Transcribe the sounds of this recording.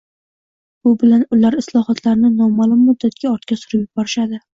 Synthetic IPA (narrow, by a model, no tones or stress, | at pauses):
bʊbɪlanʊlaɾɪslˠɒhɒt̪ʰlaɾnɪnɒmalˠʊmːʊd̪ːat̪kʲaɒɾt̪̚kʲasʊɾɪpjʊbɒɾɪʃad̪ɪ